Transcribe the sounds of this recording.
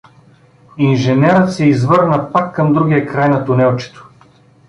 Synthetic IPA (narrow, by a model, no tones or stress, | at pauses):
inʒɛnɛɾət̪sɛizvɤɾnəpakːɐmd̪ɾuɡʲijɐkɾajnɐt̪ʊnɛlˠt͡ʃɛ̥t̪o̥